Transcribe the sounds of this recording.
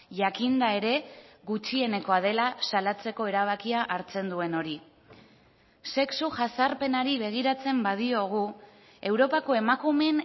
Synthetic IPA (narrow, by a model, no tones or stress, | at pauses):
ʝakind̪ae̞ɾe̞ɣut͡ʃie̞ne̞ko̞að̞e̞lasalat͡se̞ko̞e̞ɾaβ̞akiaʔaɾt͡se̞nd̪ue̞no̞ɾi | se̞ksuʝasaɾpe̞naɾiβ̞e̞ɣ̞iɾat͡se̞mbað̞io̞ɣ̞u | e̞wɾo̞pako̞e̞makume̞n